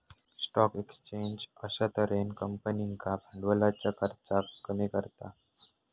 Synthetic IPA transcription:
sʈɔkekst͡ɕeɲd͡ʑəɕat̪əɾenkəmpəniŋkabʱəɳɖʋəlat͡ɕjakʰəɾt͡sakːəmikəɾt̪a

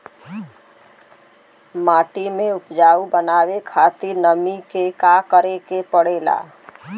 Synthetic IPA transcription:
maːʈimẽʊpd͡ʒaːubənaːwekʰaːt̪ɪɾnəmikekaːkəɾekepəɽeːla̰ː

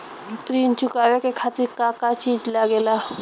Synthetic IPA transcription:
t̪ɾint͡ʃukaʋekekʰat̪iɾkakat͡ʃid͡ʒlaɡela

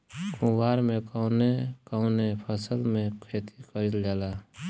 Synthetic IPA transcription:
kũwaːɾmẽkaʊnekaʊnepʰəsəlmẽkʰeːt̪ikəɾild͡ʒaːlaː

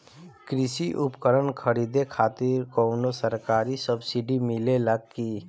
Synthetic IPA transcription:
kɾɪsiʔʊpkəɾənkʰəɾid̪ekʰaːt̪iɾkoːnosəɾkaːɾisəbsɪɖimɪleləɡki

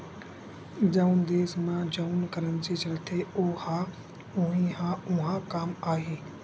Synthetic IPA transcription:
d͡ʒaʊnd̪eːsmãːd͡ʒaʊnkəɾənd͡ʒiːt͡ʃəlt̪ʰeoha | ʊɦĩːɦãʊɦãkamaːɦeː

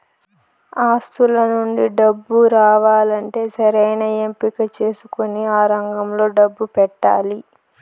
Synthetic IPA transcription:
aːst̪ulɐnuɳɖiɖɐbːuɾaːʋaːlɐɳʈe̞ːsɐɾɐjnɐempikɐt͡ʃe̞ːsukoniaːɾɐŋɡɐmlo̞ːɖɐbːupɛʈːa̰ːli

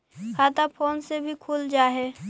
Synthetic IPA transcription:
haːt̪apʰoːnsebʱikʰuːld͡ʒaːɦɛː

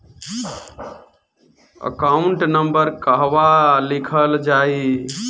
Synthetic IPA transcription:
ə̰kauɳʈnəmbəɾkəɦʋalikʰəld͡ʒai

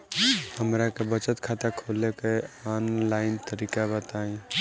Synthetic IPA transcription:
həmɾakebət͡ʃət̪kʰat̪akʰoːlekeɔːnlaɪnt̪əɾiːkabət̪aẽ

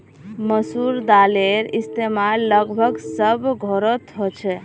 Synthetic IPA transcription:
məsuɾd̪aleɾist̪emallːəɡbʱəɡsəbɡʱoɾət̪ɦot͡ʃʰɛ

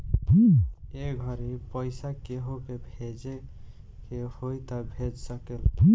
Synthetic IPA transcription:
eɡʱəɾipəjsakeɦokebʱed͡ʒe | kehojt̪əbʱed͡ʒsəkel

